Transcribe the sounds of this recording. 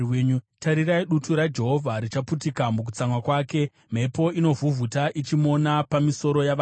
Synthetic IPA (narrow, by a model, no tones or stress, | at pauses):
eɲutaɾiɾaiɗutuɾad͡ʒe̞ɦo̞vʱaɾit͡ʃaputikamuk̬ut͡saŋwakwaːke̞ | m̤e̞po̞ino̞vʱuvʱutaʔit͡ʃimo̞napamiso̞ɾo̞jaʋ